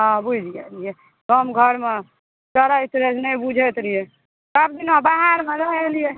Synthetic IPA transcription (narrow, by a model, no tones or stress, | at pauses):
ɦãbud͡ʒijalije | kəmɡʱəɾme | t͡ʃəɾait̪ɾesnɛjbud͡ʒʱet̪ɾije | kabd̪inabaɦaɾmeɾəɦelije